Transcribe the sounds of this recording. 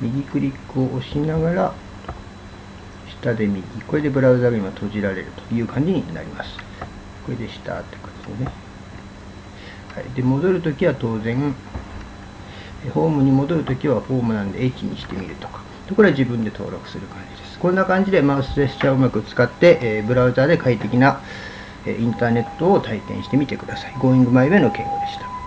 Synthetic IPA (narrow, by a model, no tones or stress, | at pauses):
mʲiɡʲikɯ̟ɾʲikːɯo̞ʔoɕinaɡaɾa | ɕi̥t̪ad̪e̞mʲiɡʲiko̞ɾe̞d̪e̞bɯ̟ɾaɯzaɡɯĩmat̪ʰo̞ʑiɾaɾe̞̰ɾɯ̟t̪o̥jɯ̟ːkãɲ̟d͡ʑiɲ̟ina̰ɾʲimasɨ̥ | ko̞ɾed̪e̞ɕi̥t̪a̰t̪ːekot̪esene | ha̰id̪e̞mo̞d̪o̞ɾɯ̟t̪o̞kʲiβat̪o̞ːzẽ̞ŋ | eɸo̞ːmɯ̟ɲ̟imo̞d̪o̞ɾɯ̟t̪o̞kʲiβaɸo̞ːmɯ̟nãnd̪e̞eit͡ɕiɲ̟ḭɕi̥t̪e̞mʲḭɾɯ̟t̪o̞̥kḁ | t̪okoɾed͡ʑibɯ̟̃nd̪e̞t̪o̞̰ːɾo̞̰kɯ̥sɨɾɯ̟kãɲ̟d͡ʑid̪e̞sɨ̥kõ̞nːakãɲ̟d͡ʑid̪e̞mãsesɨ̥t͡ɕaɯmakɯ̟t͡sɨ̥kat̪ːe̞ʔbɯ̟ɾaɯ̟zaːd̪e̞kait̪e̞kʲina | ḛːʔĩnt̪aːne̞t̪ːo̞ot̪aikẽ̞̰ɕi̥t̪e̞mʲit̪e̞kɯ̟d̪asaiɡo̞ːĩŋɡɯmaiβe̞no̞kẽ̞ŋko̞d̪eɕi̥t̪ḁ